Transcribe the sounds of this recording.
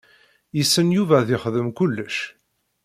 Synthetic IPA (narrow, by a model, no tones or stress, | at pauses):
jəsːənjuvæðɪχðəmkʊlːəʃ